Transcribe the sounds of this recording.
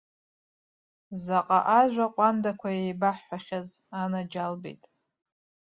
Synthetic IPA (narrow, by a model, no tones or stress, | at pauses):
zaqʼa̰ʔaʒᶣʷaqʷʼandakʷʰajejbaħːaχʲazanad͡ʒalbḛjtʼ